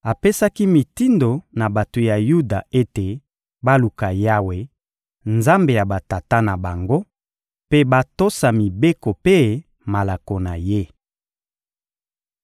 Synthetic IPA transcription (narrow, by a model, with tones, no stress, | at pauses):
a˨pe˦sa˦ki˦mi˨ti˦ndo˨na˨ba˨to˨ja˨ju˦da˨e˦te˨ | ba˦lu˨ka˨ja˦we˨ | nza˦mbe˨ja˨ba˨ta˨ta˦na˨ba˨ŋɡo˦ | pe˦ba˦to˦sa˨mi˨be˦ko˨pe˦ | ma˨la˨ko˨na˨je˦